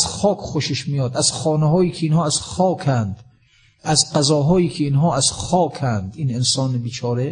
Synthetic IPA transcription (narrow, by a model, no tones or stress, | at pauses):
zxɒːkʰʲχoʃeʃmiːjɒːd̪æz̥xɒːneɦɒːjiːkʰeiːnhɒːæz̥xɒːkʰænd̪ | æzqæzɒːɦɒːjiːkʰeiːnɦɒːæzxɒːkʰænd̪iːnensɒːnebiːt͡ʃʰɒːɾe